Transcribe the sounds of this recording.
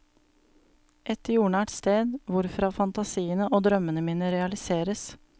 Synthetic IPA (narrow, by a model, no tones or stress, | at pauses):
ʔɛt̪juːɳæːʈst̪eːd̪ʋʊɾfɾɑːfɑnt̪ɑsiːənəʔoːd̪ɾœmənəmiːnəɾɛɑlɪseːɾəs